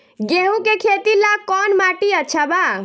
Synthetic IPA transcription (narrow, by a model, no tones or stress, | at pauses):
ɡeɦũkekʰet̪ilakɔnmaʈiətːt͡ʃʰaba